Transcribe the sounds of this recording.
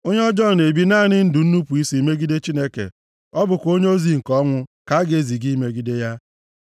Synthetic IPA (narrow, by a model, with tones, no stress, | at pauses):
o˦ɲe˦ɔ˦d͡ʒɔ˦˨ne˨bi˦na˦˨nɪ˦n̩˦dʊ˨n̩˦nu˦pu˨i˦si˨i˨me˦ɡi˦de˦t͡ʃi˦ne˦kḛ˨ | ɔ˦bʊ˨kʷo˦ɲe˦o˦zi˨ŋ̩˨kɔ˦ŋʷʊ˦ka˨˦ɡe˨˦˨zi˨ɡi˦me˦ɡi˦de˦ja˦